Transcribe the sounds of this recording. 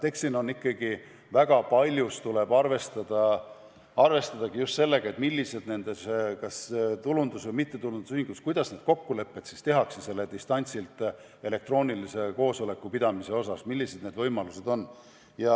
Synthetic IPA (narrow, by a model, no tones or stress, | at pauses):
t̪e̞kst̪ino̞nːikːˑɑɡ̥i | væɡ̥ɑpɑlʲjust̪ule̞b̥ɑrve̞st̪ɑd̪̥ɑ | ɑrve̞st̪ɑd̪̥ɑɡ̥ijust̪se̞lːe̞ɡ̥ɑe̞t̪milːise̞d̪ne̞nd̪eskɑst̪ulund̪usvɤjmit̪ːe̞t̪ulund̪̥usyhiŋɡuskujd̪̥ɑsne̞d̪̥ko̞kːule̞pːe̞t̪sist̪e̞ɦɑksese̞lːe̞d̪ist̪ɑnʲt̪silt̪ˑ | e̞le̞kt̪ro̞ːnʲilise̞ko̞ːso̞le̞kːˑupid̪ɑmise̞o̞sɑsmilʲːise̞d̪̥ne̞ːd̪vɤjmɑluse̞d̪̥o̞nː | jɑ